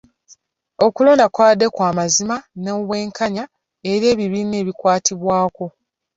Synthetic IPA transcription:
o̞kulo̞ːndakwaːde̞kwaːmazimanoβwe̞ːŋkaɲa | e̞ɾje̞ːβiβine̞ːβikwaːtʰiβwaːko̞

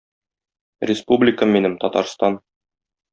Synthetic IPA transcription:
ɾʲɪspublʲɪkəminɘmt̪ɒt̪ɑ̰ɾst̪ɑn

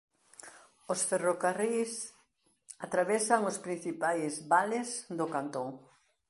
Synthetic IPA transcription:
osferokaris | at̪ɾaβɛsaŋospɾin̟θipajzβalɪsd̪ʊkant̪oŋ

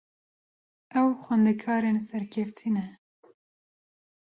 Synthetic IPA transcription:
ɛwxwɛnd̪ɛkʰɑːɾeːnsɛɾkʰɛft̪ʰinɛ

